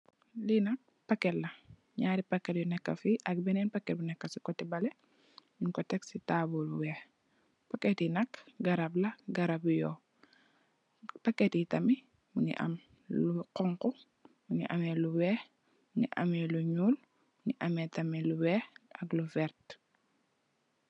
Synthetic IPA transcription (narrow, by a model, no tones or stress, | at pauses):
linɐk̚ | pɐkːɛtlɐ | ɲaːɾipɐkːɛt̚junɛkːɐ̰fiʔɐk̚bɛnɛːnpɐkːɛt̚bunɛkːɐsikɔtɛbɐlɛ | minkɔtɛksitabuluwɛː | pɐkɛtinɐkɡɐɾɐblɐɡɐɾabujɔː | pɐkːɛtitɐmi | muɲḭʔɐ̰m | luqɔŋku | muɲḭʔɐmɛluwɛ | muɲḭʔɐmɛluɲuːl | muɲiʔɐmɛtɐmiluwɛɐklufɛɾt